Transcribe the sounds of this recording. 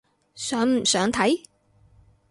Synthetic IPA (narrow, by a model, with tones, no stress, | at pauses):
sœː˨˥ŋm̩˨˩sœː˨˥ŋt̪ʰɐ˨˥j